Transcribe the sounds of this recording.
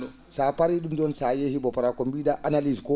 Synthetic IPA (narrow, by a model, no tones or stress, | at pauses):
ɔ | sapaɾiɗumdɔnsajehibɔpaɾakɔmbiːdaʔanaliskɔ